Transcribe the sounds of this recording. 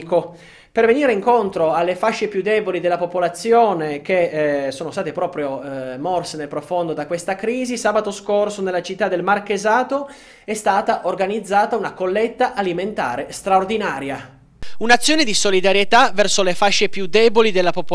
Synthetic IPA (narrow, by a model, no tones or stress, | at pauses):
ko | perveniːɾeiŋkont̪ɾoalːefaʃːepjud̪ːɛːbolid̪elːapopolat̪sːjoːnek̟esoːnost̪aːt̪epɾɔːpɾjomɔrsenelpɾofond̪od̪akːwest̪akɾiːzisaːbat̪oskorsonelːat͡ʃit̪ːad̪ːelmarkezaːt̪o | ɛst̪aːt̪aʔorɡanid̪zːaːt̪aunakolːet̪ːaʔaliment̪a̰ːɾest̪ɾaord̪inaːɾja | unat̪sːjoːned̪isolid̪aɾjet̪avɛrsolefaʃːepjud̪ɛːbolid̪elːapop